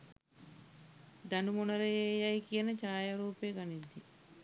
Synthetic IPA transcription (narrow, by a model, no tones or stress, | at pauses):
d̪ɐnumonɐɾejejɐikijɐnət͡ʃaːjaɾuːpeɡɐnid̪ːi